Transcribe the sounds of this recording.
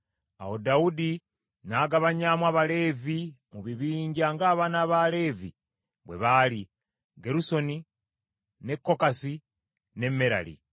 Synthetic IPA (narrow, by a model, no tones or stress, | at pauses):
a̰wo̞daudi | naːɡaβaɲaːmwaːβale̞ːvimuβiβiːɲɟaŋɡaːβaːnaːβale̞ːvḭ | βwe̞̰βaːli | ɡeɾuso̞ni | ne̞kːo̞kasi | ne̞mːeɾa̰lḭ